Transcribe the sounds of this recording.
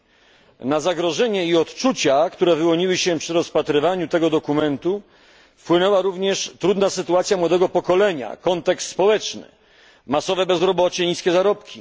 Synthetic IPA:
nazaɡɾɔʐɛɲɛiɔt̪t͡ʂut͡ɕakt̪uɾɛvɘwɔɲiwɘɕɛpʂɘɾɔspat̪ɾɘvaɲut̪ɛɡɔd̪ɔkumɛnt̪u | fpwɘnɛwaɾuvɲɛʂt̪ɾud̪nasɘt̪uat̪sʲjamwɔd̪ɛɡɔpɔkɔlɛɲa̰kɔnt̪ɛkst̪spɔwɛt͡ʂnɘ̰ | masɔvɛbɛzɾɔbɔt͡ɕɛɲiskʲɛzaɾɔpkʲi

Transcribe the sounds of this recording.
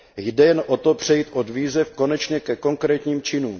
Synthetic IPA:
jdɛjɛnʔot̪o̞pr̝̥ɛjiːt̪ʔodviːzɛfko̞nɛt͡ʃɲɛkɛko̞ŋkɾɛːt̪ɲiːmt͡ʃɪnuːm

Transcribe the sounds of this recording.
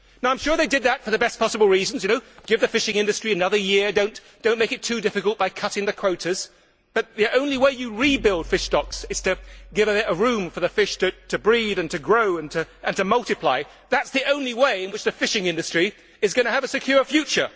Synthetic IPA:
naʊãɪmʃʊɹðeɪdɨd̪̚ðətfə˞ðɨbɛspʰɑsəbl̩ˠɹizn̩zjɨñoʊɡ̥ɪvðɨfɪʃɪ̃ŋɪ̃ndɨstɹ̥iɨnʌðə˞jɪɹdõʊ̃nd̥õʊ̃nmeɪkɨtʰʉdɪfɨkəlˠt̚b̥aɪkʰʌɾɪ̃ŋðɨkʰw̥oʊɾɨz̥ | b̥ʌt̪̚ðiʔõʊ̃nliweɪjɨɹibɪlˠd̥fɪʃdɑksɨz̥tɨɡɪvɨəɹʉ̃ɱfə˞ðɨfɪʃtʰɨtʰɨbɹiðɨ̃ntʰɨɡɹoʊɨ̃ntʰɨʔɨ̃ntɨmʌlˠtɨpʰl̥aɪ | ðætsðiʔõʊ̃nliweɪɨ̃nwɨt͡ʃðɨfɪʃɪ̃ŋɪ̃ndɨstɹ̥i | ɨzɡʌñɨːvɨsɨkʰj̥ʊɹfjʉt͡ʃə˞

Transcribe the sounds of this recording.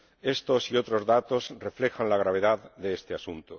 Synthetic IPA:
e̞st̪osiot̪ɾo̞zðat̪o̞zrefle̞xanlaɣ̞ɾaβ̞e̞ðaððeest̪easunt̪o

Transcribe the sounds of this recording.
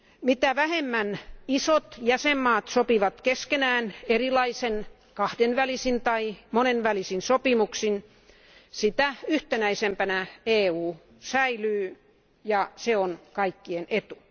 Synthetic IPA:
mit̪æʋæhemːænisot̪jæsemːɑːt̪sopiʋɑt̪keskenæːnerilɑisen | kɑhdenʋælisint̪ɑimonenʋælisinsopimuksin | sit̪æyht̪enæisempænæeːuː | sæilyː | jɑseonkɑikːienet̪u̥

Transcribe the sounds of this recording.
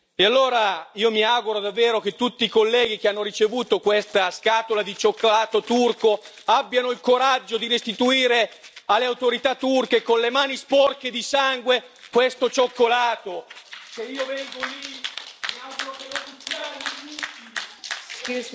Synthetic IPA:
ealːoːɾaiːomiaɡuɾod̪avːeːɾok̟et̪ːut̪ːiːkolːɛːɡik̟eanːoɾit͡ʃevuːt̪okwest̪askaːt̪olad̪it͡ʃokːolaːt̪ot̪urko | abːjanoilkoɾad͡ʒːod̪iɾest̪it̪uiːɾealːeawt̪oɾit̪at̪ːurk̟ekonlemaːnispɔrk̟ed̪isaŋɡwe | kwest̪ot͡ʃokːolaːt̪oseiːovɛŋɡoli | aoenot̪ut̪ːianːitut̪i

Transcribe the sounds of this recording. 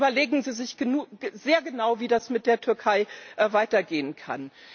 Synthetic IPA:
bɐleːɡŋ̩ziːzɪçɡ̥ənu̥zeːɐɡənaʊviːdasmɪt̚d̥eːɐtʰʏɐkʰaɪʔvaɪtɐɡeːənkʰa̰n

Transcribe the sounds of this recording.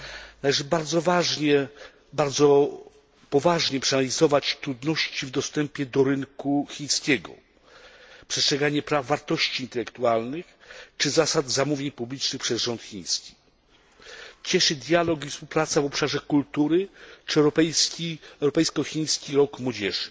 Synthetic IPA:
nalɛʐɘbaɾd̪zɔvaʐɲɛ | baɾd̪zɔ | pɔvaʐɲɛpʂɛanalʲizɔvat͡ɕt̪ɾud̪nɔɕt͡ɕivd̪ɔst̪ɛmpʲjɛd̪ɔɾɘnkuxʲiɲ̃skʲɛɡɔ̰ | pʂɛstʂɛɡaɲɛpɾavːaɾt̪ɔɕt͡ɕiːnt̪ɛlɛkt̪ualnɘxt͡ʂɘzasad̪zamuvʲjeɲpublʲit͡ʂnɘxpʂɛzʐɔnt̪xʲĩɲ̃skʲi̥ | t͡ɕɛʂɘd̪ʲjalɔk̬ifspuwpɾat̪savɔpʂaʐɛkult̪uɾɘt͡ʂɛwɾɔpɛjskʲiɛwɾɔpɛjskɔxʲiɲ̃skʲiɾɔkmwɔd͡ʑɛʐɘ

